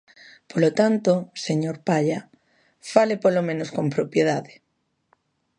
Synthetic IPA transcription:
polot̪ant̪oseɲoɾpaʎa | falepolomẽnoskompɾopjeð̞aðe

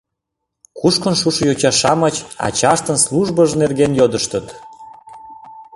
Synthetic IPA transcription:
kuʃkənʃuʃəjot͡ɕɑʃɑmət͡ɕɑ̰t͡ɕɑʃt̪ənsluʒbəʒnerɣenjod̪əʃt̪ət̪

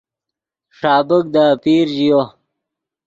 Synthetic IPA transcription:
ʂaːbək̚d̪apiːɾʑijo

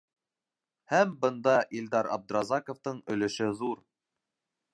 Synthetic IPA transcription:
hæmbɤ̆nd̪ɑʔild̪ɑɾɑ̰b̚d̪̆ɾɑzɑkŏft̪ɤɴɵ̆lɘ̆ʃɘðuɾ

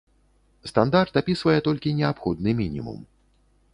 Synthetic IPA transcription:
st̪and̪art̪apʲisvɐjɛt̪ɔlʲkʲinʲɛapxɔd̪̚nɨmʲinʲḭmṵm

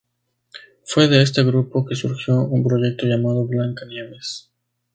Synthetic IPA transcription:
fwe̞ðe̞es̬t̪eɣɾupo̞ke̞suɾxjo̞ʔumpɾo̞ʝe̞k̚t̪oʝamað̞o̞βlaŋkanjeβes

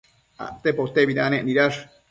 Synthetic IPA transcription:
a̰ʔt̪epot̪ebid̪anẽʔniɾaɾ

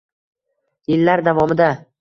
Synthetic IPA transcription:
jɪlːaɾd̪avɒmɪd̪a

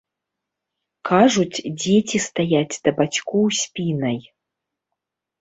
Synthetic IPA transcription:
kʰaʐut͡sʲd͡zʲetʲʰist̪ajat͡sʲd̪̥ɐbat͡ɕkuwsʲpʲinɐj

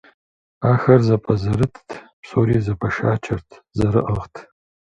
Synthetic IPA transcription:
aːxɐrzɐpʼɐzɐɾɨtʰtʰpsoːɾiːzɐpʰɐʂaːt͡ʃʰɐrtʰzɐɾɨʔɐʁtʰ

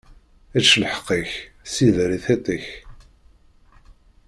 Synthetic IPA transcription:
æt͡ʃːlħə̥qːiç | siðɾiθet̪ˤiç

